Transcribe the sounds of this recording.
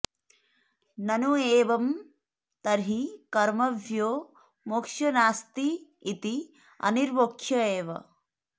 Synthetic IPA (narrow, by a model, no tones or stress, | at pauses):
nɐnueːʋɐm | t̪ɐɾɦikɐɾmɐʋjoː | mokʂjɐnaːst̪iː | t̪i | ɐ̰niɾʋoːkʃjɐeːʋɐ̰